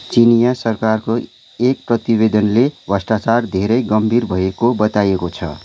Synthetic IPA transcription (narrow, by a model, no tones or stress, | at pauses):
t͡sinijasʌrkarko | ek̚prʌt̪ibed̪ʌnlebʱʌsʈat͡sard̪ʱeɾʌjɡʌmbʱirbʱʌekobʌt̪ajekot͡sʰʌ̰